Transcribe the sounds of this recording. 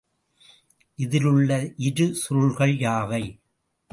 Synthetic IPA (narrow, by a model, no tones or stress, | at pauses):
ʔɪðɪlɯɭːɐʔɪɾɯsʊɭɣɐɭjaːʋɐɪ